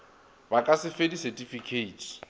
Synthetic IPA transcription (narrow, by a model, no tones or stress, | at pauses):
bakʼasɪfedisɛtʼifikʰeitʰ